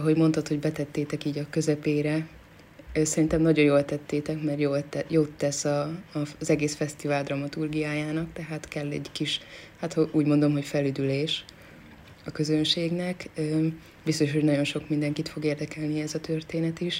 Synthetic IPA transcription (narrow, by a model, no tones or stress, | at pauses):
ɒɦo̞ɟmo̞nt̪ɒt̪ho̞ɟbɛt̪ɛt̪ːeːt̪ɛkiːɟɒkø̞zɛpeːɾɛ | sɛɾint̪ɛmnɒɟo̞njoːlt̪ɛt̪ːeːt̪ɛkmɛrjoːljoːt̪ːɛsɒːzɛɡeːsfɛst̪ivaːld̪rɒmɒt̪urɡijaːjaːnɒkt̪ɛɦaːt̪kɛlːɛɟkiʃhat̪houːɟmo̞nd̪o̞mɦo̞cfɛlyd̪yleːʃ | ɒkø̞zønʃeːɡnɛkː | bist̪o̞ʃho̞ɟnɒɟo̞nʃo̞kmind̪ɛŋkit̪fo̞ɡeːrd̪ɛkɛlniɛzɒt̪ørt̪eːnɛt̪iʃ